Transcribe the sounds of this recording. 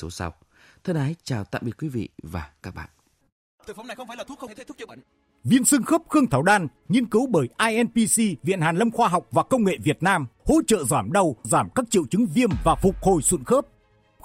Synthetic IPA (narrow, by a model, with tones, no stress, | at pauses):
so˨˦sa̰˧wt̪ʰə˧˩naː˨˦jt͡ɕaː˨˩wt̪a̰ː˧˨mɓḭ˧˨kwi˨˦vḭ˧˨vaː˨˩kaː˦˥k̚ɓa̰ː˧˨n | t̪ʰə˨˩faː˧˨˦ | vi˧ənsɨ˧ŋxəː˦˥p̚xɨ˧əŋt̪ʰaː˨˩wɗaː˧n | ɲi˧ənkɨ˨˦wɓəː˧˩jʔaː˧jʔɛ˧npi˧si˧vḭ˧˨ənhaː˨˩nlə˧mxwaː˧ɦa˨˩wk͡p̚vaː˨˩kə˧wŋ͡mŋḛ˧˨vi˨˩ət̚naː˧mho̰˧˥t͡ɕə̰ː˧˨zaː˧˩mɗə˧˩wzaː˧˩mkaː˦˥k̚t͡ɕḭ˧˨əwt͡ɕɨ˨˦ŋvi˧əmvaː˨˩fʊ˨˩k͡p̚ho˨˩jswə̰˧˨nxəː˦˥p̚